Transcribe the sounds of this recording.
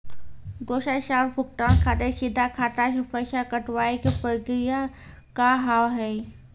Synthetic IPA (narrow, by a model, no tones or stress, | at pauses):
ɡoːʃaʃaːɾpʰʊk̚ʈaːnkʰaːt̪eʃɪd̪ʱːakʰaːt̪akpəʃakəʈʋaːekepɾəkɾija | kaɦawɦɛː